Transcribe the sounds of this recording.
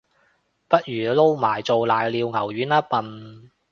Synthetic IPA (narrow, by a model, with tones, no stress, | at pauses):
pɐ˥t̚jyː˨˩lo˥wmaː˨˩jt͡so˨wlaː˨jliː˨˧wŋɐ˨˩wɥyː˨˥naː˥pɐ˨n